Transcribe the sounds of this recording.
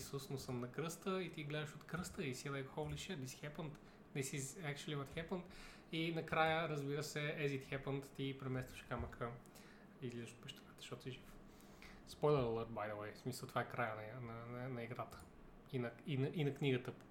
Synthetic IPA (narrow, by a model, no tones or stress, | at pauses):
susnosəmnɐkɾɤst̪əit̪iɡlɛd̪əʃot̪kɾɤst̪əisilˠɛjkoxɔvliʃɛb̪isxɛpənt̪ | nɛsizɛkt͡ʃəlivət̪xɛpənt̪ | inɐkɾajəɾəzbiɾəsɛɛzit̪xɛpənt̪ːipɾɛmɛst̪vəʃkamɐkʰə | izlʲizəʃo̥t̪̚pɛʃt̪ɛnɛt̪ə̥ʃt̪ɔt̪iʒif | spɔjlˠɛɾəlˠəɾd̪̚bajd̪əlˠɛjsmisəlˠt̪ovaɛkɾajənɐnɐnɐnɐiɡɾat̪ə̥ | inɐinɐʔinɐkniɡət̪əp